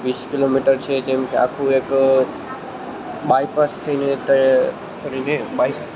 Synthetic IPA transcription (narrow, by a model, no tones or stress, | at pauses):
ʋiːskɪloːmiʈəɾt͡ɕʰed͡ʒɐ̃ɦmkʰea̰ːkʰueːk | ɓaːipast̪ʰinẽt̪ɐ | t̪əɾĩneɓaːipː